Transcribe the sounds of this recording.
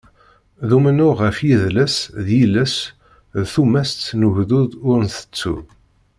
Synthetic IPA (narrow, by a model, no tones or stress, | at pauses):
ðumənʊʁəfjiðləsðjiləs | ðθumæsːnəʝðuðʊɾnθə̥t͡sːṵð